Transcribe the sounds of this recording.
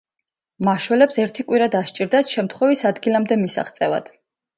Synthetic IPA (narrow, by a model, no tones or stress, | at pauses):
maʃwɛlɛpsɛɾt̪ʰikʼwiɾad̪aʃt͡ʃʼiɾd̪at̪ʃɛmt̪ʰχwɛvisad̪ɡilamd̪ɛmisa̰χt̪sʼɛva̰d̪̥